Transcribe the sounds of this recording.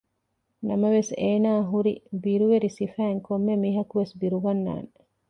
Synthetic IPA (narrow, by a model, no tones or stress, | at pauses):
nɐmɐʋeseːnaːɦuɾḭbiɾuʋeɾisifæːŋkomːemiɦɐkuʋesbiɾuɡɐnːa̰ːne